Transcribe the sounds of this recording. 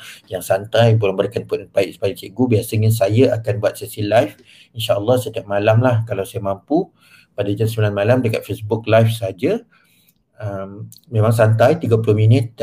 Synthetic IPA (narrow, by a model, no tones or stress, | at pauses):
jaŋsant̪ajpolaŋbəɾkanpunpaiʔ̚sə̥palit͡ʃiɡubiasəŋansajaakanbuat̪̚sɛsilajf | inʃaʔəlːɑhsət̪iap̚malamlahkalawsajəmampu | padad͡ʒansəmilanmalamdəkat̪̚fesbʊk̚lajfsəɦad͡ʒa | əm | mẽmãŋsant̪ajt̪iɡapulohminɪt̪̚